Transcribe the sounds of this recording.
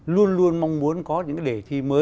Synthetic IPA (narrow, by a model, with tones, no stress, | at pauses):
lu˧ənlu˧ənma˧wŋ͡mmu˨˦ənkɔ˨˦ɲɨ̰˧˥ŋka˨˦ɗe˧˩t̪ʰi˧məː˨˦